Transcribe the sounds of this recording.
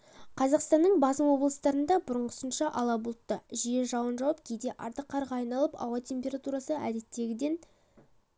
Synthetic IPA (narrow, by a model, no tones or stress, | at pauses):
qʰɑzɑqst̪ɑnːəɴbɑsəmwo̞blˠəst̪ɑɾənd̪ɑbʊɾəɴqʊ̥sənʃɑʔɑlˠɑbʊlˠt̪ːəʒije̞ʒɑwənʒɑwəp̚kʲʰejd̪e̞ʔɑɾt̪əqːɑɾʁɑɑjnɑlˠəpɑ̰wɑt̪ʰe̞mʲpʲe̞ɾat̪uɾɑsəæd̪e̞t̪ːe̞ɡʲɪd̪e̞n